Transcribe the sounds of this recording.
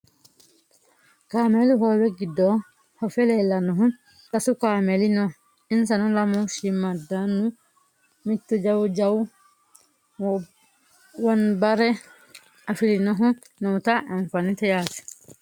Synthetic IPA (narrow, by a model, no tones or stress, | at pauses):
kaːmɛliɦɔwɛɡidɔ | hɔfɛlɛlanuɦum | tasukamɛlinɔ | ins̬anɔlamɔʃimadanu | mitːud͡ʒawd͡ʒaw | wɔnbaɾɛ | afilinɔɦu | nɔtaʔɛnfanitɛjati̥